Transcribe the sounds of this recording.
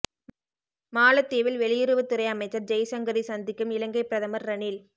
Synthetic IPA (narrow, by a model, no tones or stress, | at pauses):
maːlɐt̪ːeːʋɪlʋɛɭɪjɪɾɯʋɐt̪ːɪɾɐɪɐmɐɪt͡ʃːɐɾd͡ʒɐjsɐŋɡɐɾisɐnd̪ɪkːɯmɪlɐŋɡɐɪpːɪɾɐðɐmɐɾːɐniːl